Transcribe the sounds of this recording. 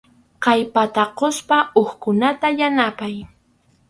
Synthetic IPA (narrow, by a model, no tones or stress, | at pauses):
qɑjpat̪aqospaoχkʊnat̪ajanapaj